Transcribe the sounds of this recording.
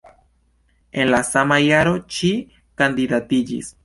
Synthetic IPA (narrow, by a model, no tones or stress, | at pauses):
e̞nlasamajaɾo̞t͡ʃi | kandidatid͡ʒḭs